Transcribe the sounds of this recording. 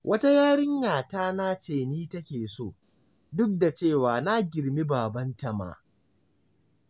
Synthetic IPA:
wʔɐ˦ta˦jaː˦ɽɪ˦ŋːaː˨taː˦naː˦t͡ʃeː˨niː˦tɐ˦kʲeː˨so̰ː˦˨ | dʊ˦k̚da˨t͡ʃeː˦˨waː˨na˦ɡʲɪ˨ɽmi˦baː˨bɐ˦nta˨ma̰ː˦

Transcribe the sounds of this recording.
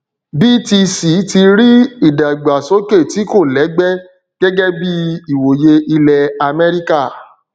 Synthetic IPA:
bi˦ti˧si˨˦ti˧ɾi˦i˦˨da˨ɡ͡ba˨so˨˦ke˦˨ti˨˦ko˦˨lɛ˨˦ɡ͡bɛ˦ | ɡ̥ɛ˦ɡɛ˦bi˦i˦˨wo˨je˧ʔi˧lɛ˨a˧mɛ˦ɾi˦ka˦˨

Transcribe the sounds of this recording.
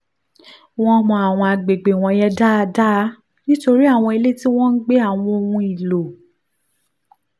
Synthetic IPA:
w̃ɔ̃˦mɔ̃˧a˨w̃ɔ̃˧a˨ɡ͡be˨ɡ͡be˨w̃ɔ̃˧jɛ˧da˦a˧da˦ | nĩ˦to˧ɾi˦a˦˨w̃ɔ̃˧e˧le˦ti˦w̃ɔ̃˦n̩˦ɡ͡be˦a˦˨w̃ɔ̃˧o˧wũ˧i˨lo˨

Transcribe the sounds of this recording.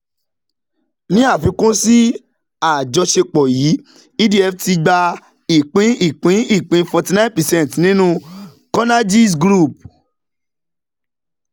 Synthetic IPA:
nĩ˦a˦˨fĩ˨˧˦kũ˦si˦ | a˦˨d͡ʒɔ˧ʃe˧k͡pɔ˨ji˨˦ | i˦di˦ɛ˧fti˧ɡ͡ba˧ | i˨k͡pĩ˨˦i˦˨k͡pĩ˨˦i˦˨k͡pĩ˨˦fɔ˧ti˧nã˦npɛ˨sɛ̃˦˨tnĩ˦nũ˦ | kɔ˦na˦d͡ʒi˦s̬ɡɾu˦˨p̚

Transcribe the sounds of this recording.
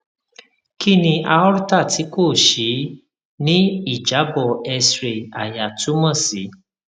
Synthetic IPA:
ki˦˨nĩ˧ʔa˧ɔ˦ɾu˦ta˦˨ti˨˦ko˦˨ʃi˨˦ | nĩ˦i˦˨d͡ʒa˨˦bɔ˦˨ɛ˧sɾe˧˨a˨ja˨tu˨˦mã˦˨si˨˦

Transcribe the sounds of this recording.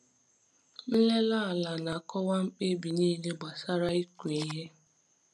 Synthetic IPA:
n̩˦le˦la˦˨la˨na˨kɔ˦wa˦ŋ͡m̩˦k͡pe˦bi˨niː˦le˦ɡ͡ba˨sa˦ɾa˦i˦kʷe˨i˨ɦe˦

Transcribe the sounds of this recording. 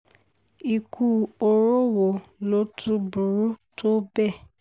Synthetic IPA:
i˨kʰu˦o˧ɾo˦wo˨lo˦tʰu˦bu˨ɾu˦tʰo˦bɛ˦˨

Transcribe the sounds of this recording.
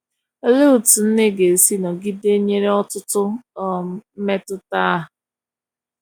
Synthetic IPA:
e˦le˦u˨tu˨n̩˦ne˦ɡe˨si˦nɔ˨ɡi˦de˦ɲe˦ɾe˦ɔ˦tʊ˦tʊ˦˨˦ | me˦tʊ˦ta˦ɦʊ˨

